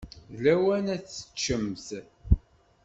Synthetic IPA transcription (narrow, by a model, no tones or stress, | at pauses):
læwænæθːə̥t͡ʃːəmθ